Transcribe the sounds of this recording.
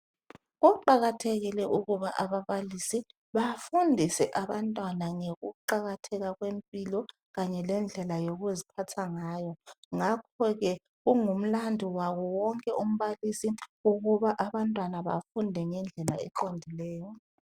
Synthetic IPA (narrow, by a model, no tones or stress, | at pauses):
ɣuǃaɣatʰeɣilɛʔuɣuβaʔaβaβalisi | βafundʱisɛʔaβantʼwanaŋeɣuǃaɣatʰɛɣaɣwempʼilɔ | ɣaɲɛlɛnd͡ɮʱɛlajoɣuzipʰatʰaŋaːjɔŋakʰɔɣɛ | ɣuŋum̩landʱiwaɣɔwɔŋkʼɛʔum̩βalisiuɣuβaʔaβantʼwanaβa̰fundʱɛŋɛnd͡ɮʱɛla̰ɛǃondʱilɛːjɔ